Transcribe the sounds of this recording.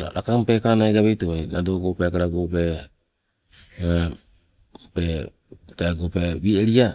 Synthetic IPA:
a̰ɾa̰kampekaɾanaeɡaβejtoajnadoɡopekaɾaɡope | pe | taɡopeβieɾia

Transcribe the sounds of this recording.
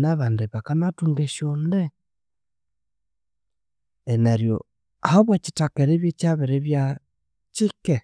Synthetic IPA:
naβandeβakanatuŋɡeʃjonde | enaɾjo̰ | ahaβwaci̥takeɾeβjecaβeɾeβja | t͡ʃike

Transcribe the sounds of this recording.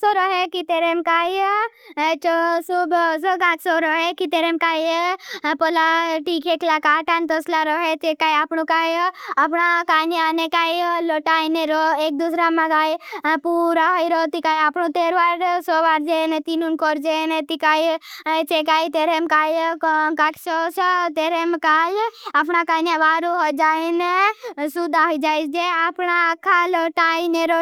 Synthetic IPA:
sɔɾɔɦekit̪eɾemkaːj | t͡ʃosubs̬ɔɡaːksɔɾɔɦekit̪eɾemkaːj | pɔlaʈikʰeklakaːʈant̪ɔslaɾɔɦet͡ʃekaːjapɳukajapɳakaːjneaːnekaːjlɔʈaineɾɔeːk̚d̪usɾamãkajpuɾaɦɔjɾot̪ikajapɳũt̪eːɾʋaɾsɔʋaɾd͡ʒenet̪inunkɔɾd͡ʒenet̪ikajt͡ʃekaːjt̪eɾemkajkakt͡ʃot͡ʃʰet̪eɾemkajapɳakanjãʋaɾuɦɔjd͡ʒaenesud̪ʱaɦɔid͡ʒaːjd͡ʒeapɳakʰalɔʈaineɾo

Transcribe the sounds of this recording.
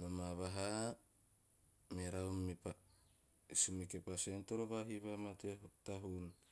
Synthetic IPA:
namaβaɦa | meɾawmipa | isumikepasentoɾoβaɦiβamateɦotaɦun

